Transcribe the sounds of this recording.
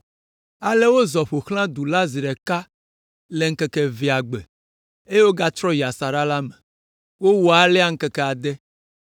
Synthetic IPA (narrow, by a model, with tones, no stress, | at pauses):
a˨le˦wo˦zɔ˨ɸo˨xlã˦d̪u˨la˦zi˨ɾɛ˨ka˦ | le˨ŋ̩˦kɛ˦kɛ˨vi˨a˨ɡ͡be˨ | e˦e˦wo˦ɡa˦t̪ɾɔ˦ji˨a˨sa˨ɾa˦la˦me˨ | wo˦wɔ˨a˨lɛ˦a˦˨ŋ̩˦kɛ˦kɛ˨a˨d̪ɛ˦